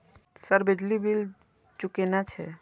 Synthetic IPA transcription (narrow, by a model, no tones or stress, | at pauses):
səɾbed͡ʒlibil | t͡ʃukenat͡ʃʰɛ